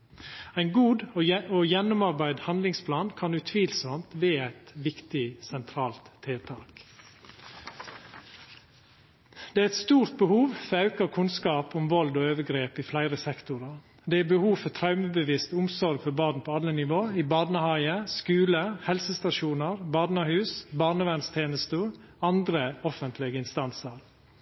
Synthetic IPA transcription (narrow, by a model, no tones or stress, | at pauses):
æɪnɡuːd̪ojɛnːʊmɑɾbæɪd̪hɑnd̪lɪŋspʰlɑːnkʰɑnʉt̪ʰʋiːlsɔmt̪ʋeːæɪt̪ʋɪkt̪ɪsɛnt̪ʰɾɑːlt̪ʰːeːt̪ʰɑːk | d̪ɛæːɾɛt̪st̪uːɾt̪̚bəhuːʋfɔɑʉkəɾkʰʉnskɑːpʊmʋɔld̪oːøːʋəɡɾeːpɪflæɪɾəsɛkt̪ʊɾɑɾ | d̪ɛːæbəhuːʋfɔt̪ʰɾɑʉməbəʋɪst̪ʊmsɔɾɡfɔɾbɑːd̪n̩pʰoːɑlənɪʋoːiːbɑːd̪nəhɑɪəskʉːləhɛlsəst̪ɑʃuːnəɾbɑːd̪nəhʉːsbɑːɳəʋænst̪ʰeːnəst̪ə | ɑnd̪ɾəɔfənt̪ʰlɪɡəɪnst̪ɑnsəɾ